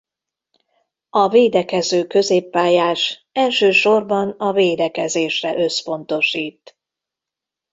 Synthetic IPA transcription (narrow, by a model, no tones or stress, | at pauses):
ɒveːd̪ɛkɛzøːkø̞zeːpːaːjaːʃɛlʃøːʃo̞rbɒnɒveːd̪ɛkɛzeːʃrɛʔøsfo̞n̪t̪o̞ʃiːt̪